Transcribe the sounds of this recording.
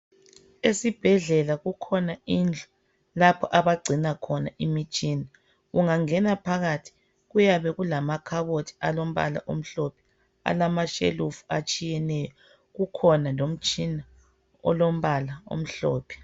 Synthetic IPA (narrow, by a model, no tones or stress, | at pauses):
esib̥ʱɛɮɛlaɣukʰɔnaind͡ɮʱɔ̥ | lapʰɔʔaβaɡ͡ǀʱinakʰɔnaʔimit͡ʃʼiːna | ɣuŋaŋɛnapʰaɣatʰi̥ | ɣujaβɛɣulamakʰaβotʰi̥alom̩βa̰la̰ʔom̩ɬɔpʰɛ̥ | a̰lamaʃḛlufuat͡ʃʼijɛnɛjɔ | ɣukʰɔnalom̩t͡ʃʼina | ɔ̰lom̩βalao̰m̩ɬɔ̰ːpʰi̥